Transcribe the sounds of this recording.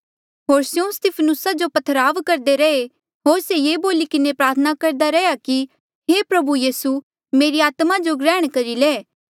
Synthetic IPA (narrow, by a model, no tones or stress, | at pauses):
ɦoːɾsjõst̪ɪpʰənʊsad͡ʒopɐt̪ʰɾaːʋkɐɾd̪eɾɛe | ɦoːɾsejeːboːlikɪnepɾaːt̪ʰənakɐɾd̪aɾɛjaki | ɦepɾɐbujiːsu | meːɾiaːt̪mad͡ʒoɡɾɛːɽ̃kɐɾileː